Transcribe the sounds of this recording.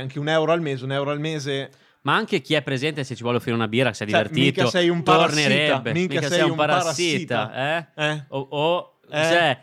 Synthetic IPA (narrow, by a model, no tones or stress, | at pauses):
aŋkeunɛwɾoalmeːzeunɛwɾoalmeːze | maaŋk̟ek̟iɛpːɾezɛnt̪eset͡ʃːivwɔlofiɾeunabiːɾaksɛjd̪iveriːt̪osɛjumt̪orneɾebːemiĩkasɛjuũmpaɾasɾaːiːit̪aɛɛoo | t͡ʃɛ